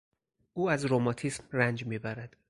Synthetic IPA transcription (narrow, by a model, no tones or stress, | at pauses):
ʔuːæzɾomɒːt̪ʰiːsmrænd͡ʒmiːbæɾæd̪̥